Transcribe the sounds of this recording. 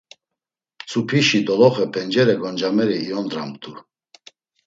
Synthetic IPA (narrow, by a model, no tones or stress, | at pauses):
t͡sʰʼupʰiʃid̪ɔlɔχɛpʰɛnd͡ʒɛɾɛɡɔnd͡ʒamɛɾiːɔnd̪ɾamd̪ʰu